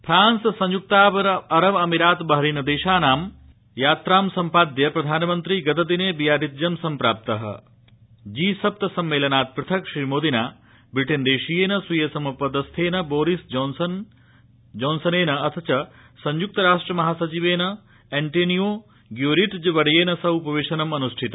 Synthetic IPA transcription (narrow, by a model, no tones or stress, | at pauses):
pʰɾaːnssɐ̃ɲjuk̚t̪aːʋɐɾɐɾɐʋɐmiɾaːt̪bɐɦɐɾiːnɐd̪eːʃaːnaːm | jaːt̪ɾaːmsɐmpaːd̪jɐpɾɐd̪ʱaːnɐmɐnt̪ɾiɡɐd̪ɐd̪ineːbijaːɾit̪̚d͡ʒjɐmsɐmpɾaːp̚t̪ɐɦɐ̰ | d͡ʒiːsɐp̚t̪ɐsɐmːeːlɐnaːt̪̚pɾɪt̪ʰɐkʂɾiːmoːd̪inaː | bɾiʈend̪eːʃijeːnɐsujɐsɐmɐpɐd̪ɐst̪ʰeːnɐboːɾisd͡ʒonsɐn | d͡ʒoːnsɐneːnɐɐt̪ʰɐt͡ʃɐ | sɐɲjuk̚t̪ɐɾaːʂʈɾɐmɐɦaːsɐt͡ʃiʋeːnɐ | eɳʈeːnijoː | ɡjoːɾiʈd͡ʒʋɐɽɐjeːnɐsɐupɐʋeːʃɐnɐmɐnuʂʈʰit̪ɐ